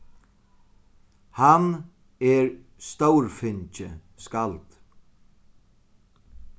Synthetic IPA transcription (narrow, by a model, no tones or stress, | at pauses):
han | ɛɹst̪owɾfɪɲt͡ʃɪ̰ | skalt̪